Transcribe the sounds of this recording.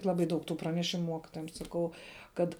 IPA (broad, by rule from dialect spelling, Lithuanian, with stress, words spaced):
ˈlˠɑːbɐɪ ˈdɐʊk tʊ prɐnʲɛˈʃʲɪmʊ ˈmuɔkʲɪtoːjɛm sɐˈkɐʊ ˈkɐt